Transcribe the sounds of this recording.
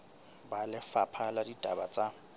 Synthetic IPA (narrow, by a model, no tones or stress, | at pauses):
balɪfapʰaladidʼʱabat͡sʼa